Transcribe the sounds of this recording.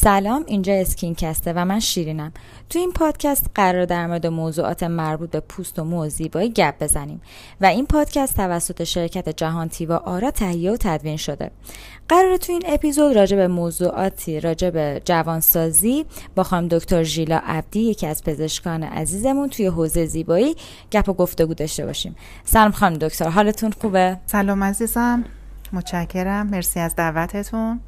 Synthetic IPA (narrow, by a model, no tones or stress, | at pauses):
sælɒːmind͡ʒɒːe̞scʰincʰæst̪evæmænʃiːɾiːnæm | t̪ʰuiːnpʰɒːd̪̥cʰæst̪ɢæɾɒːɾed̪æɾmoɾed̪emozuːʔɒ̰ːt̪ʰe̞mæɾbuːt̪̚be̞pʰust̪o̞moziːbɒːiɟæb̚be̞zæniːm | væinpʰɒːd̪̥cʰæst̪ʰːævæsːo̞t̪ʰe̞ʃe̞ɾcʰæt̪ʰe̞d͡ʒæɦɒːnt̪ʰiːvɒːʔɒːɾɒːt̪ʰæhijeot̪ʰæd̪viːnʃo̞d̪ḛ | ɢ̥æɾɒːɾet̪ʰuiːne̞pizo̞d̪rɒːd͡ʒe̞bemozuʔɒːt̪ʰɾɒːd͡ʒebed͡ʒævɒːnsɒːziːbɒxɒːimd̪o̞ct̪ʰoɾʒiːlɒ̰ːʔæb̚d̪̥iːje̞cʰiæz̥pʰe̞ze̞ʃkɒːnḛʔæ̰ziːze̞munt̪ʰujeɦoːze̞jeziːbɒːiː | ɟ̥æpʰo̞ɡo̞ft̪e̞ɡuːd̪ɒʃt̪e̞̰bɒ̰ːʃiːm | sælɒmxɒːimd̪o̞ct̪ʰoɾɦɒːlet̪ʰunxuːbesælɒːmæziːzæmː | ot̪t͡ʃæcʰːe̞ɾæmːe̞ɾsiæzd̪ævæt̪ʰet̪ʰun